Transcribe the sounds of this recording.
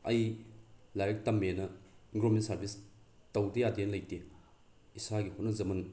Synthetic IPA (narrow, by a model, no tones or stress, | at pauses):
ɐj | lajɾɐk̚tɐmːenɐɡɾomentsɐɾbis | tɐwdijadenlɐjte | isaɡihot̚nɐzɐmɐn